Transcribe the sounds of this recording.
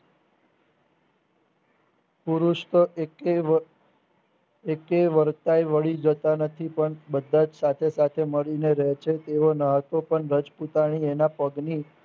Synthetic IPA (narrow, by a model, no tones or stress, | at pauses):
puɾuʃt̪o | ekeʋəɾt̪ajʋəɭid͡ʒət̪anət̪ʰipəɳbəd̪ʱːad͡ʒsat̪ʰesat̪ʰeməɭineɾəɦt͡ʃʰet̪eʋonaɦət̪opəɳɾəd͡ʒput̪aɽ̃ienapəɡni